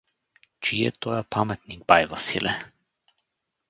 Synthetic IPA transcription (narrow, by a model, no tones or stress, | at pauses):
t͡ʃiɛ̰t̪ɔjapʰamɛt̪̚niɡ̚bajvasilɛ